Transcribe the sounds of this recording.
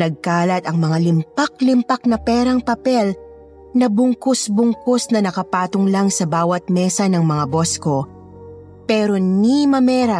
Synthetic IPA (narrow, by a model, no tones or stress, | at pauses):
nɐɡ̚kaːlɐt̪ɐŋmɐŋalɪmpɐk̚lɪmpɐk̚nɐpɛːɾɐŋpɐpɛl | nɐbʊŋkosbʊŋkosnɐnɐkɐpaːt̪oŋlaŋsɐbaːwɐt̪̚mɛːsɐnɐŋmɐŋabo̞sko̞ | pɛːɾo̞nimɐmɛːɾɐ